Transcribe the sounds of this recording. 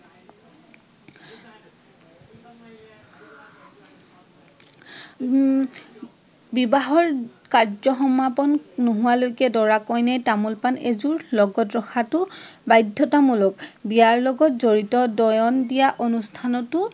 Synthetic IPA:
bibaɦɔɹkaɹzɔxɔmːapɔnːoɦʊwalojkɛdɔɹakɔjnajtamulpanezuɹlɔɡɔtɹɔxʰatʊbajdʱːɔtamulɔkbijaɹlɔɡɔtzoɹitɔdɔjɔndijaʔonustʰanɔtʊ

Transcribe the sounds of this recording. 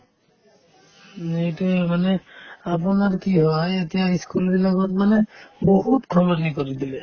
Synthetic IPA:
ejtumanɛap̬unaɹkiɦɔajetijaiskulbilakɔtmanɛboɦutkʰɔβɔɹnikoɹid̪ilɛ

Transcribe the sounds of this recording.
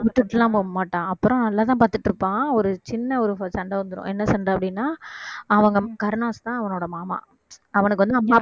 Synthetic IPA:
ʋɪʈːɯʈːɐlãːmmaːʈːãːɐpːɯɾɔ̃nɐlːaːt̪̬ãːpaːɾt̪ɯʈːɯɾɯpːãːɔɾɯt͡ʃɪnːɐɔɾɯsɐɳɖɐʋɐnd̪ɯɾʊ̰̃ːʔɛnːɐsɐɳɖɐɐpːɐɽɪnːaːɐʋɐŋɡɐkɐɾɯnaːst̪ãːɐʋɐnoːɽɐmaːma̰ː | ɐʋɐnɯk̬ːɯʋɐnd̪ɯɐmːaː

